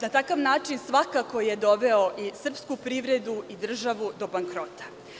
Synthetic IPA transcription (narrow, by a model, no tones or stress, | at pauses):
nat̪akaʋnaːt͡ʃinsʋakako̞je̞d̪o̞ʋe̞o̞ʔisr̩pskupɾiʋɾe̞d̪uʔid̪r̩ʒaʋud̪o̞baŋkɾo̞t̪ḁ